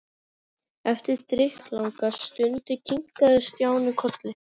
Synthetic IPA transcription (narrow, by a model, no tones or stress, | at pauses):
ɛft̪ɪɾ̥t̪ɾɪhplawŋkast̪ʏnt̪ɪcʰiŋ̥kaðɪst̪jaːwnɪkʰɔt̪lɪ